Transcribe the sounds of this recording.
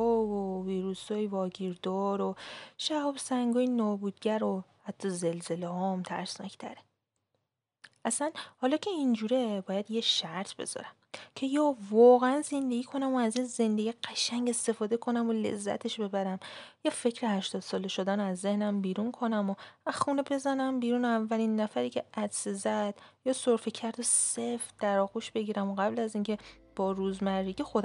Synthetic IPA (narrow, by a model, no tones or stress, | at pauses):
ɔvoviːɾusɒjvɒːɟiːɾd̪ɒːɾoʃæhɒːbsæŋɡɒːjinɒːbuːd̪̥̚ɟæɾohæt̪ʰːɒze̞lze̞lehɒmt̪ʰæ̰ɾsnɒ̰cʰt̪ʰæ̰ɾe | ʔæsænhɒːlɒːcʰe̞ind͡ʒuːɾebɒːjæd̪jeʃæɾt̪ʰb̥e̞̰z̥ɒ̰ɾæmcʰe̞jɒːvɒːɣeænze̞nd̪e̞ɡiːkʰo̞næmoæzinze̞nd̪e̞ɡiɢ̥æʃæŋɟe̞st̪e̞fɒːd̪e̞kʰo̞næmole̞̰zːæ̰t̪ʰe̞ʃbe̞bæɾæmjefe̞cʰɾehæʃt̪ɒːd̪̥sɒːleʃod̪ænæzːe̞hnæmbiːɾunkʰo̞næmoæxuːnebe̞zænæmbiːɾunævːælinːæfæɾiːcʰe̞ʔæd̪sezæd̪̥jɒːsoɾfecʰæɾd̪osefd̪̥æɾɒːɣuʃb̥e̞ɟiːɾæmoɣæblæziːŋcʰe̞ | b̥ɒːɾuːzmærːiɡixod̪